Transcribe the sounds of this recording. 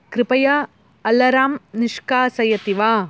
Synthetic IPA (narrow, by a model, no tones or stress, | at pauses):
kɾɪpɐjɐ | ɐlːɐɾaːmnɪʂkaːsɐjɐt̪iʋaː